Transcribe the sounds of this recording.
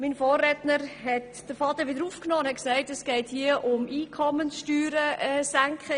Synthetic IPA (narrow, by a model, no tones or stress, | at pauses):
minfoːrɛtnəɾhɛt | d̥əfɑd̪əʋɪdəɾuːfknoːndhɛt̚ksæɪtɛsɡ̥ɛɪthiəʔʊmiːkʰɔmənsʃtyːɾəɛsæŋkχə